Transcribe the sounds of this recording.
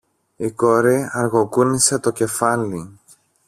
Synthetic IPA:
ikoɾiɐɾɣokuniset̪o̞ce̞fɐli

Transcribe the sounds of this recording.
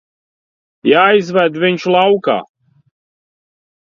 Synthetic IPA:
jaːizvæd̪vɪnʲʃlˠawka̰ː

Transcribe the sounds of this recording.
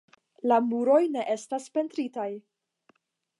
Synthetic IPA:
lamuɾo̞jne̞ʔe̞staspe̞ntɾitaj

